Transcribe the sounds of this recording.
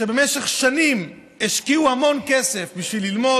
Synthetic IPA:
ebe̞meʃeχʃanim | eʃkiuhamo̞nkese̞fbiʃvilːilmo̞

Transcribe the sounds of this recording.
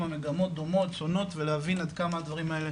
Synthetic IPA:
mame̞ɡamo̞t̪̚d̪o̞mo̞t̪so̞no̞tt̪veleavinad̪kamaːd̪vaʁimaele

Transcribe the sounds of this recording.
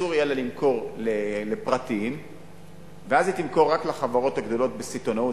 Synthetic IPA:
uʁjelalimkʰo̞ʁlelepʁat̪iim | veazit̪imko̞ʁːaklaχavaʁo̞thaɡd̪o̞lo̞t̪̚besit̪o̞nau

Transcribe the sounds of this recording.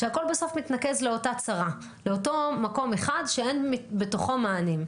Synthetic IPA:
ʃeako̞lbeso̞fmitnake̞zle̞o̞tat͡saʁa | le̞oto̞mako̞me̞χadʃeenbe̞toχomaːnim

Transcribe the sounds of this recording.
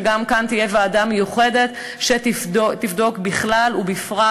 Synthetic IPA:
ɡamkant̪ijevaːdamejuχe̞de̞t | ʃetiot̪ivd̪o̞kbiχlalubifʁa

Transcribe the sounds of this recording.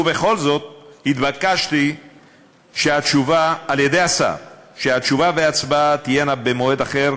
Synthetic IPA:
uve̞χo̞lzo̞t̪̚hit̪bakaʃt̪i | ʃeat͡ʃuvaːlje̞de̞jasa̰fʃeat͡ʃuvaveat͡sbat̪ijenabemoe̞d̪aχeʁ

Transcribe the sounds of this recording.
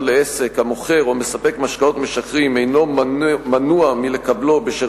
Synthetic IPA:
leese̞khamoχe̞ʁomesape̞kmaʃkao̞t̪me̞ʃakʁime̞jno̞manuamile̞kablo̞beʃe

